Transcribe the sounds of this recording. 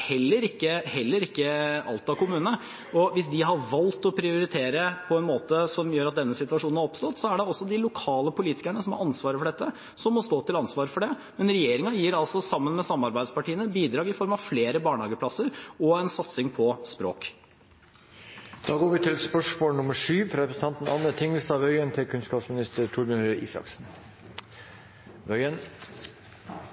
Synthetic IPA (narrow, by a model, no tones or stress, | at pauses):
hɛlːəɾɪkːəhɛlːəɾɪkːəʔɑ̰lt̪ɑkʊmʉːnə | ɔʋɪsd̪ɪɦɑɾʋɑlt̪ɔpʰɾɪʊɾɪt̪ʰeːɾəpʰɔɛnmoːt̪əsɔmjøːɾɑt̪̚d̪ɛnːəsɪt̪ʉʋɑʂuːnnhæɾɔpst̪ɔt̪ːsɔæɖɛɔsːɔd̪ɪlʊkʰɑːləpʊliːt̪ɪkæɳəsɔmhɑ̰ɾʔɑnsʋɑːɾəfɔɖɛt̪ːə | sɔmːɔst̪oːt̪ɪlɑnsʋɑːɾəfɔɖɛ | mɛnɾɛjeːɾɪŋɑjiːɾɑlsɔsɑmːənmɛsɑmːɑɾbæɪd̪spɑʈiːənəbiːd̪ɾɑːɡɪfɔɾmɑʋfleːɾəbɑːɳhɑːɡəpʰlɑsːəɾɔɛnsɑt̪sɪŋpʰɔspɾo̰ːk | d̪̥ɑːɡoːɾʋɪt̪ʰɪlspœʂmoːlnʊməʂyːfɾɑɾɛpɾəsn̩ʰɑnt̪n̩ɑnːət̪ʰɪŋəlst̪ɑːʋœʏənt̪ʰɪkʰʉnskɑːpsmɪnɪst̪əɾt̪ʰʊɾməɾʔḭːsɑ̰ksn | ʋœʏən